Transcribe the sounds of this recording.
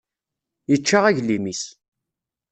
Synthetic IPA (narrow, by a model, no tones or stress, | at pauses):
jət͡ʃːaʁæʝlimis